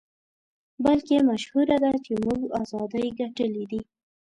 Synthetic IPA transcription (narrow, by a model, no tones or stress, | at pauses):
balkemaʃhuɾad̪at͡ʃemuɡɑzɑd̪əjɡaʈəlid̪i